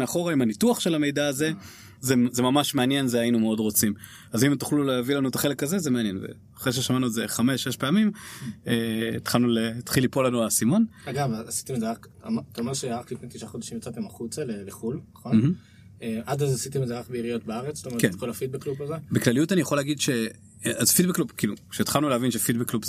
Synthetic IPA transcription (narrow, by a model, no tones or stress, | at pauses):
eaχo̞ʁaimanituaχʃe̞lame̞jdaːze̞ | zezemamaʃmeanje̞nzeainumeo̞dʁo̞t͡sim | azimet̪u̥χluleavilanuet̪aχele̞kaze̞zemeanje̞nvḛ | aχʁeʃ̬eʃamanueze̞χame̞ʃːeʃpeamimeit̪χalnulet̪χilipo̞lːanuasimo̞naɡavaasi̥t̪emezeak | a̰mt̪aomeʃeʁaklifnet̪iʃaχod̪aʃimjot͡sat̪emaχut͡saleleχulnɐχomnhm̩ | eʔad̪azasit̪emezeʁakbeiʁijo̞t̚beaʁet͡sst̪amekenkolafit̪̚bekːlupazebeklalijutanijaχo̞leaɡid̪ʃe | azfid̚bekːlubkilukʃet̪χalnuleavinʃefit̚bekːlub